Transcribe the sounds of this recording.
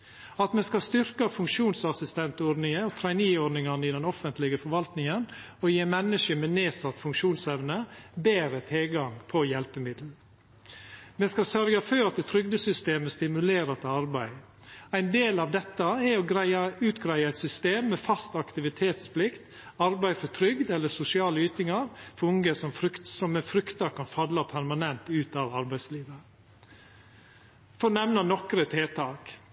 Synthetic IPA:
ɑt̪mɛskɑst̪ʏɾkəfʉŋkʃuːnsɑsɪst̪ɛnt̪oːɾnɪŋəɔt̪ʰɾɛɪniːoːnɪŋɑnəɪd̪ɛnɔfənt̪lɪɡəfɔɾʋɑlt̪nɪŋən | ɔjeːmɛnːəʂəmɛneːsɑt̪ːfʉŋkʂuːnsɛʋnəbeːɾət̪ʰɪlɡɑŋpʰɔjɛlpəmɪd̪l̩ | mɛːskɑsœɾɡɑføːɾɑt̪̚d̪ɛːt̪ʰɾʏɡ̚d̪əsʏst̪eːməst̪ɪmʉleːɾɑt̪ʰəɑɾbæɪ | æɪnd̪eːlɑːʋd̪ɛt̪ːəɛɔɡɾæɪəʉːt̪ɡɾæɪəæɪt̪sʏst̪eːmːɛːfɑst̪ɑkt̪ɪʋɪt̪ʰeːt̪spʰlɪkt̪ | ɑɾbæɪfɔt̪ʰɾʏɡd̪ɛlːəsʊsɪɑːləyːt̪ɪŋɑɾfɔɾʊŋəsɔmfɾʏkt̪sɔmɛfɾʏkt̪ɑɾkʰɑnfɑlːɑpʰæɾmɑnɛnt̪ʉːt̪ɑʋɑɾbæɪsliːʋə | fɔɾnɛʋnɑnɔkɾət̪ʰeːt̪ʰɑːk

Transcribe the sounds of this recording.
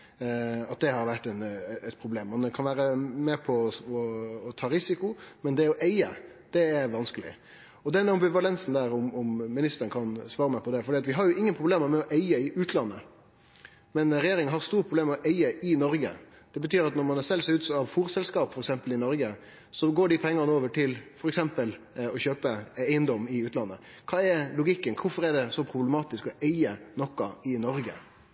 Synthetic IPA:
ɑt̪̚d̪ɛhɑɾʋæʈːɛnɛt̪pʰɾʊbleːmːɑnkʰɑnʋæːɾəmɛpʰɔɔːt̪ʰɑːɾɪsɪkʊmɛnd̪ɛɔʔæɪə | d̪̥ɛːɾʋɑnskəlɪ̰ | ɔd̪ɛnɑmbɪʋɑlɛnsnd̪æːɾɔmɔmːɪnɪst̪əɾənkʰɑnsʋɑːɾəmæɪpʰɔd̪ɛfɔɾɖiːɑt̪ʋɪɦɑɾjʊʔɪŋːənpʰɾʊbleːməɾmɛɔʔæɪəɪʔʉːt̪ʰlɑnːə | mɛnɾɛjeːɾɪŋənɦɑɾst̪uːɾəpʰɾʊbleːmɛɔʔæɪəʔɪnɔɾɡə̰ | d̪̥ɛbət̪ʰyːɾɑt̪nɔɾmɑnsɛlːsɛʉːt̪sɔɑʋfuːɾsɛlskɑːpfɔɾɛksɛmpəlɪnɔɾɡə | sɔɡoːɖɪpʰɛŋːɑnəoːʋəʈʰɪlfɔɾɛksɛmpəl | ɔçøːpəæɪənd̪ɔmːɪʉːt̪lɑnːə | kʰɑːɛɾlʊɡɪkːənkʰʊfɔɾɛɖɛsɔpʰɾʊblmɑːt̪ɪskɔæɪənɔkːɑɪnɔɾɡə̰

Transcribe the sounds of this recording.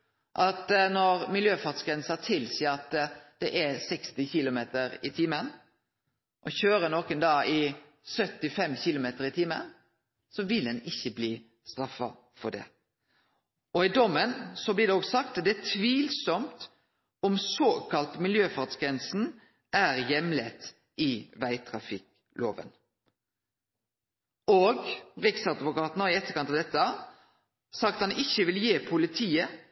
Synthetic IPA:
ʔɑt̪nɔɾmɪljøːfɑt̪sɡɾɛnsɑt̪ʰɪlsiːəɑt̪d̪̥ɛʔæsɛkst̪ɪçɪlʊmeːt̪əɾɪt̪ʰɪːmən | ʔɔçøːɾənoːkənd̪ɑːɪ | sœt̪ːɪfɛmçɪlʊmeːt̪əɾɪt̪ʰiːmə̰n | sɔʋɪld̪ɛnɪçːəbliː | st̪ɾɑfːɑ̰ | fɔɖ̪ɛ̰ | ɔɪd̪ɔmːənsɔblɪd̪ɛɔːɡsɑk̚t̪d̪ɛæt̪ʰʋiːlsɔmt̪ | ɔmsoːkʰɑlt̪mɪljøːfɑʁt̪sɡɾɛnsn̩ | ʔæːɾjɛmlɛt̪ː | ɪʋæɪt̪ʰɾɑfɪk | lʔo̰ːʋə̰n | oːɡɾɪksɑd̪ʋʊkɑːt̪nɔɪɛt̪ːəkʰɑnt̪ɑʋd̪ɛt̪ːə | sɑk̚t̪hɑnɪçːəʋɪljeːpʰʊlɪt̪ʰiːə

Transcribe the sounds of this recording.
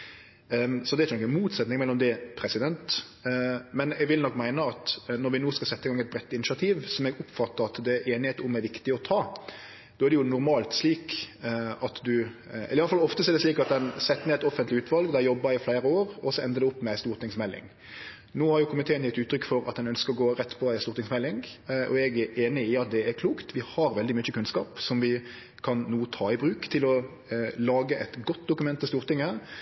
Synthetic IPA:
sɔd̪ɛæɾt͡ʃənɔkːənmuːt̪sɛt̪nɪŋmɛlːɔmd̪ɛpʰɾɛsɪd̪ɛnt̪ | mɛnɛɡʋɪlnɔkːmæɪnəɑt̪nɔɾʋɪnoːskɑsɛt̪ːəɪɡɑŋːɛt̪̚bɾɛt̪ːɪnɪʃɑt̪ʰiːʋsɔmɛɡʊpːfɑt̪ːəɾɑt̪d̪ɛæʔeːnɪheːt̪əʊmæɾʋɪkt̪ɪɔt̪ʰɑː | d̪oːæɾd̪ɛjʊnʊɾmɑːlt̪sliːk | ɑt̪d̪ʉɛ̰ləɪɑləfɑlɔft̪əsɛːd̪ɛsliːkɑt̪̚d̪ɛnsɛt̪ːəneːɛt̪ɔfənt̪lɪʉːt̪ʋɑlɡd̪ɛjɔbːɑɪflæɪɾəoːɾɔsɔɛnd̪əd̪ɛʊpːmɛæɪst̪uːɾʁt̪ɪŋsmɛlːɪ̰ŋ | noːhɑɾjʊkʰʊmɪt̪ʰeːənɪt̪ʉːt̪ʰːɾʏkːfɔɾɑ̰t̪̚d̪ɛnœnskəɾɔɡoːɾɛt̪ːpʰɔæɪst̪uːɾt̪ɪŋsmɛlːɪŋʔɔɛɡæɾeːnɪɪɑt̪̚d̪ɛæɾkʰluːkt̪ʋɪhɑɾʋɛld̪ɪmʏçːəkʰʉnskɑːpsɔmʋɪ | kʰɑnːuːt̪ʰɑːɪbɾʉːkt̪ʰɪlɔ | lɑːɡəʔɛt̪ɡɔt̪ːd̪ʊkʉmɛnt̪ːɪst̪uːɾt̪ɪŋːə

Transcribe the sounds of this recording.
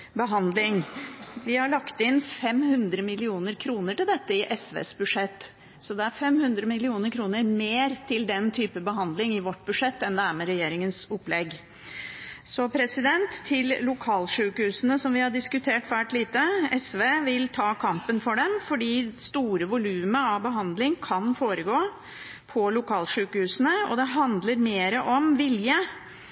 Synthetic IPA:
bəɦɑnd̪lɪŋʋɪhɑɭɑkt̪ɪnːfɛmhʉnd̪ɾəmɪlɪuːnəɾkʰɾuːnəʈɪld̪ɛt̪ːəɪʔɛsʋḛːsbʉd̪ʂɛt̪ː | sɔd̪ɛæɾfɛmhʉnd̪ɾəmɪlɪuːnəɾkʰɾuːnəɾmeːɾt̪ʰɪld̪ɛnt̪ʰyːpəbəɦɑnd̪lɪŋɪʋɔʈːbʉʂɛt̪ːɛnd̪ɛæɾmɛɾɛjeːɾɪŋənsʊplɛɡ | sɔpʰɾɛsɪd̪ɛnt̪ʰːɪllʊkʰɑːlʂʉːkəhʉːsənəsɔmʋɪhɑɖɪskʉt̪ʰeːʈʋæːʈliːt̪əɛsʋeːʋɪlt̪ʰɑːkʰɑmpənfɔɖɛmfɔɖiːst̪uːɾəʋʊlʉːməɑʋbəɦɑnd̪lɪŋkʰɑnfoːɾəɡoː | pʰɔlʊkʰɑːlʂʉːkəhʉːsənəɔ̰d̪ɛɦɑnd̪ləɾmeːɾəʔɔmʋɪljə

